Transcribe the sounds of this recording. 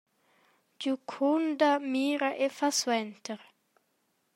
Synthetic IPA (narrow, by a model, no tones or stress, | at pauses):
d͡ʒukʰund̪amiːɾaʔefaswɛnt̪əɾ